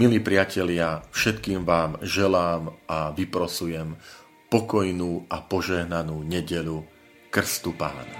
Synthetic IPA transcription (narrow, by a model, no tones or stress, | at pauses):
miliːpɾɪacɛlɪafʃɛt̪kiːmʋaːmʒɛlaːmʔaʋipɾɔsujɛm | pɔkɔjnuːʔapɔʒɛɦnanuːɲɛɟɛlu | kr̩st̪upa̰ːna̰